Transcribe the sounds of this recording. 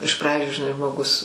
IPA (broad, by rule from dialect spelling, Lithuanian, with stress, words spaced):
ɪʃ ˈprɑːd͡ʒʲʊ ʒʲɪˈnɐɪ ʒmoːˈɡʊs